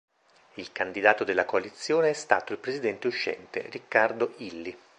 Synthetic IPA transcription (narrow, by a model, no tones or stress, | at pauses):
ilkand̪id̪aːt̪od̪elːakoalit̪sːjoːneɛst̪aːt̪oilpɾezid̪ɛnt̪euʃːɛ̰nt̪ḛrikːard̪oʔilːi